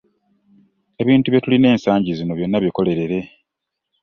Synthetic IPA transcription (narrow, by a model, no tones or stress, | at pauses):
e̞βiːntuβje̞tuline̞ːnsaːɲɟizino̞βjo̞nːaβjeko̞le̞ɾe̞ɾe̞